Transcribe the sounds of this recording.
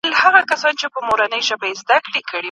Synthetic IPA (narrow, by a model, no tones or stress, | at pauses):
lhaɣakasɑnt͡ʃepəmoɾanəjʒabajezd̪akɽekəɽi